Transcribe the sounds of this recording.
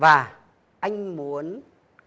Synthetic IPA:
vaː˨˩ | ʔa˧jŋ̟mu˨˦ən

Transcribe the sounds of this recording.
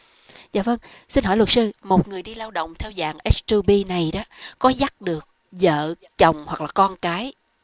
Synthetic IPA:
za̰ː˧˨və˧ŋsi˧nɦɔ˧˩jlwə˨˩t̚sɨ˧mo˨˩t̚ŋɨ˨˩əjɗi˧laː˧wɗo̰˧˨wŋ͡mt̪ʰɛ˧wzaː˨˩ŋʔɛ˦˥stu˧ɓi˧na˨˩jɗɔ˨˦kɔ˨˦za˦˥t̚ɗɨ˨˩ək̚ | zə̰ː˧˨ | t͡ɕə˨˩wŋ͡mhwa˨˩k̚laː˨˩kɔ˧nkaː˨˦j

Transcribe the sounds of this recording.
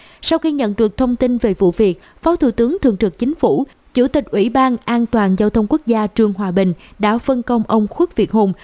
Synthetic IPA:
sa˧wxi˧ɲə̰˧˨nɗɨ˨˩ək̚t̪ʰə˧wŋ͡mt̪i˧nve˨˩vṵ˧˨vi˨˩ət̚ | faː˨˦wt̪ʰṵ˧˩t̪ɨ˨˦əŋt̪ʰɨ̰˧˨əŋt̪ɨ˨˩k̚t͡ɕï˨˦ŋ̟fu˧˩ | t͡ɕṵ˧˩t̪ï˨˩k̟̚ʔwḭ˧˩ɓaː˧nʔaː˧nt̪waː˨˩nzaː˧wt̪ʰə˧wŋ͡mku˦˥k̚zaː˧t͡ɕɨ˧˩əŋɦwaː˨˩ɓï˨˩ŋ̟ɗa̰ː˧˥fə˧nkə˧wŋ͡mʔə˧wŋ͡mxwi˦˥k̚vi˨˩ət̚ho˧˩m

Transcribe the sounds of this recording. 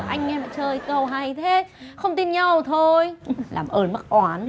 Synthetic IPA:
ʔa˧jŋ̟ŋɛ˧ma̰ː˧˨jt͡ɕəː˨˩jkə˨˩wɦa˨˩jt̪ʰe˨˦xə˧wŋ͡mt̪i˧nɲa˧wt̪ʰo˧jla̰ː˨˩mʔəː˧˩nma˦˥k̚ʔwaː˨˦n

